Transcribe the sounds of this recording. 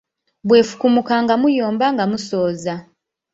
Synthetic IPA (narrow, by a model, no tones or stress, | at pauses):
bwe̞ːfu̥kumukaŋɡamujoːmbaŋɡamusoːza